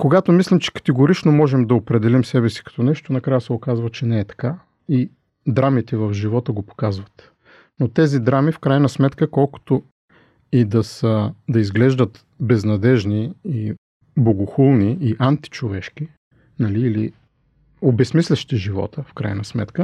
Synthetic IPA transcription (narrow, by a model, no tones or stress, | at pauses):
koɡat̪omislʲɛmt͡ʃɛ̥kɐ̥t̪ɛɡoɾit͡ʃnomɔʒɛmd̪ɐopɾɛd̪ɛlimsɛbɛsi̥kɐ̥t̪ɔnɛʃt̪onɐkɾajəsɛokazvət͡ʃɛnɛːt̪ɐ̥ka | i | d̪ɾamit̪ɛvɐvʒivɔt̪əɡopo̥kazvɐt̪ | not̪ɛzid̪ɾamifkɾajnɐsmɛt̪kəkɔlˠko̥t̪o | id̪ɐsəd̪ɐizɡlɛʒd̪ət̪ | bɛznɐd̪ɛʒnii | boɡoxulˠniiʔant̪i̥t͡ʃovɛʃki | nɐliːlḭ | obɛsmislʲɛʃt̪iʒivɔ̰t̪ʰəfkɾa̰jnɐsmɛ̰t̪kə